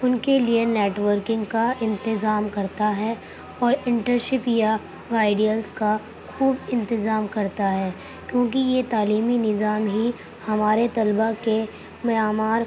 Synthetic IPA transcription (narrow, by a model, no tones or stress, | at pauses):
ʊnkelieneːʈʋəɾkɪ̃ŋɡkaɪ̃nt̪ɪzaːmkɐɾt̪aɦɛ | ɔːɾɪ̃ɳʈəɾʃɪpja | aːɪɖijəlzka | xuːbɪ̃nt̪ɪzaːmkɐɾt̪aɦɛː | kjõːk̬ijet̪aːliːminɪzaːmɦi | hɐmaːɾet̪ɐlbake | mɐaːmaːɾ